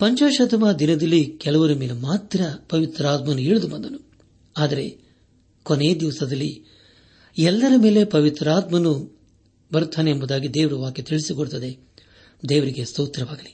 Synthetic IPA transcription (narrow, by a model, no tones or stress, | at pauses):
pɐɲt͡ʃaːʃɐt̪ɐmaːd̪inɐd̪ɐlːikɛlɐʋɐɾɐmeːlemaːt̪ɾɐpɐʋit̪ɾaːt̪mɐnːuiːɭud̪ubɐnd̪ɐnu | aːd̪ɐɾe̞ | koneːd̪iʋɐsɐd̪ɐlːi | ɛlːɐɾɐme̞ːle̞pɐʋit̪ɾaːt̪mɐnu | bɐɾut̪ʰːaːneːmbud̪aːɡid̪eːʋɐɾuʋaːket̪iɭisikoɭt̪ɐd̪e̞ | d̪eːʋɐɾiɡest̪ɐwt̪ɾɐʋaːɡɐli